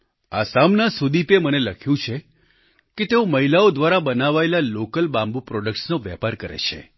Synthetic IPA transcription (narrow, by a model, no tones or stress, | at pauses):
a̰samnasud̪ipeməneləkʰjũt͡ʃʰe | ket̪eõməɦilaod̪ʋaɾabənaʋaelalokəlbãmbupɾɔɖək̚ʈsnoʋɛ̰paɾkəɾḛt͡ʃʰḛ